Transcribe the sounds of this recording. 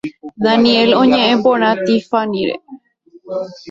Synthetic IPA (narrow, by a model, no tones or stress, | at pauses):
ðanĩelõɲẽ̞ʔẽmbõɾ̃ãt̪ifanĩɾḛ